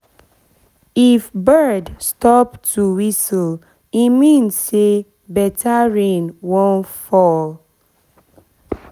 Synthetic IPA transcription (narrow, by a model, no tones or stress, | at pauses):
ifbɜdstɔptuwisəl | imĩnːe | bɛtʰaɹẽnwõnfɔl